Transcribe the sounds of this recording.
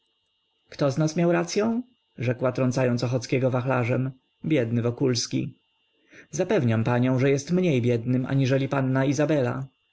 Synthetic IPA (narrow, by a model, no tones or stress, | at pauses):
kt̪ɔznasmʲjawɾat̪sʲjɔ̃w̃ | ʐɛkwat̪ɾɔnt̪sajɔnsɔxɔt̪skʲɛɡɔvaxlaʐɛm | bʲjɛd̪nɘvɔkulskʲḭ | zapɛvɲampaɲɔ̃w̃ʐɛjɛst̪mɲejbʲjɛd̪nɘmʔa̰ɲiʐɛlʲipanːaizabɛla̰